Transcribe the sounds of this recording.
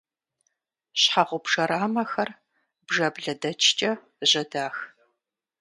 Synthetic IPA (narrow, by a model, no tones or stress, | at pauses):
ɕħaʁʷʊbʒɐɾaːmɐxɐr | bʒɐbɮɐdɐt͡ʃʰt͡ʃʼɐ | ʑɐdaːx